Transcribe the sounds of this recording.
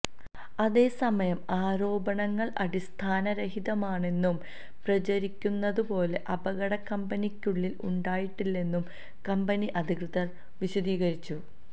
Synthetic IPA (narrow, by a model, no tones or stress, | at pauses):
ɐðe̞ːsɐmɐjɐmaːɾo̞ːbɐɳɐŋːɐɭʔɐɽist̪ʰaːnɐɾeɦiðɐmaːɳe̞nːum | prɐd͡ʑɐɾikʲːunːɐðupo̞ːle̞ʔɐbɐɣɐɽɐkɐmbɐnikʲːuɭːiluɳɖaːjiʈːilːe̞nːum | kɐmbɐniʔɐd̪ʱikrɨðɐr | ʋiɕɐd̪iːɣɐɾit͡ɕːu